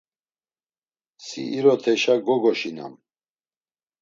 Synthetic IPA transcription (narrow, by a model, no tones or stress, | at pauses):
sḭiɾɔt̪ʰɛʃaɡɔɡɔʃina̰m